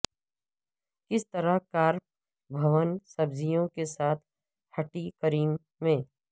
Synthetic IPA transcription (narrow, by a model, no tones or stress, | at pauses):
kɪst̪əɾaɦkaːɾ | bʱɐʋənsɐbzijõkesaːt̪̚ʰ | hɐʈikəɾiːmː | ẽː